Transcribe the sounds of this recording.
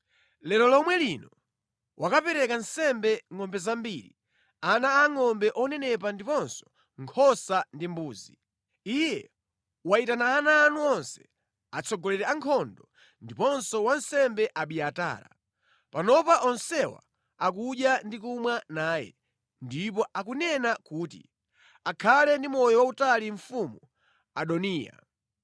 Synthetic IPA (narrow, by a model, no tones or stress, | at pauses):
lɛɾɔlɔmwɛlinɔ | wʔakapɛɾɛkansɛmbɛŋɔmbɛzambiɾi | anaːŋɔmbɛʔɔnɛnɛpandipɔnsɔ̥ | ŋkʰɔsandimbuːzi | ijɛ | waitanaːnaːnuɔnsɛ̥ | at͡sʰɔɡɔlɛɾɛaŋkʰɔndɔ | ndipɔnsɔwan̩sɛmbɛʔaɓiata̰ːɾa̰ | panɔpaʔɔnsɛwa̰ | ak̬uʄjandikumwanaːjɛ̰ | ndip̬ɔʔakunɛnakuːtḭ | akʰalɛndimɔjɔwautaliɱfumu | aɗɔniːja̰